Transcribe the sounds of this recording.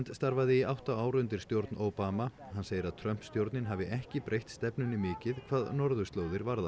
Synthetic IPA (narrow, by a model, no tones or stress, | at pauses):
nt̪st̪aɾvaðɪiawht̪aaːwɾʏnt̪ɪ̥st̪jowɾt̪nʔoːwpaːma | hanːseːjɪɾaðt̪ʰɾœm̥pst̪jowɾt̪nɪnɦavɪʔɛhcɪpɾʔejht̪st̪ɛpnʏnɪmɪːcɪðkʰv̥aːðnɔɾðʏst̪loːwðɪɾvaɾða